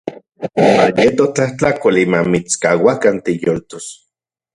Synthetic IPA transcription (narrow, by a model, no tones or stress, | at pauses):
ma̰jet̪oht͡ɬaht͡ɬakolimamit͡skawakant̪ejolt̪os